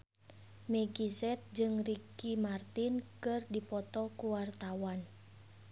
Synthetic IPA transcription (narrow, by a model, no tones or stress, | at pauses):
mɛɡisɛt̪̚d͡ʒɨŋrikimart̪inkɨrdipɔt̪ɔkuwart̪awan